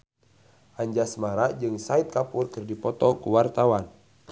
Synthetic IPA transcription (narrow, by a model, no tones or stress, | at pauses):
ʔaɲd͡ʒasmaɾad͡ʒɨŋsait̪̚kapurkɨrdipɔt̪ɔkuwart̪awan